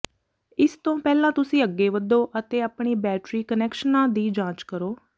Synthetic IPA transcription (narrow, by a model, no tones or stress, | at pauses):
ɪst̪õːpɛːlãːt̪ʊsĩːəɡːeːʋəd̪oːʔət̪eːaːpɳiːbɛːʈɾiːkənɛːkʃənãːd̪iːd͡ʒãːt͡ʃkəɾoː